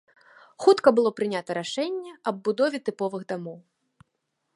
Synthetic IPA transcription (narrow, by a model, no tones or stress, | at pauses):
xut̪kɐbɨlˠɔpɾɨnʲat̪ɐɾaʂɛnʲːɛɐb̚ːud̪ɔvʲɛt̪ɨpɔvɨɣd̪amɔw